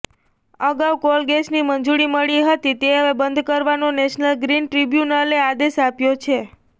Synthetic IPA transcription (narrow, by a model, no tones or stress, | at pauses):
əɡawkolɡesniməɲd͡ʒuɽiməɭiɦət̪it̪eɦəʋebənd̪ʱkəɾʋanonɛʃnəlɡɾinʈɾibjunəlead̪eʃapjot͡ʃʰe